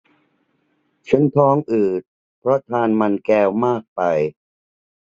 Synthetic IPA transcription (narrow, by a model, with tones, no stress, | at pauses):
t͡ɕʰa˦˥nt̪ʰɔː˦˥ŋʔɯː˨˩t̪̚ | pʰɾɔ˦˥t̪ʰaː˧nma˧nkɛː˧wmaː˥˩k̚pa˧j